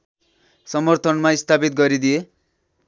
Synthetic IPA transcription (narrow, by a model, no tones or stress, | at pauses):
sʌmʌrt̪ʰʌnmaist̪ʰapit̪̚ɡʌɾid̪ije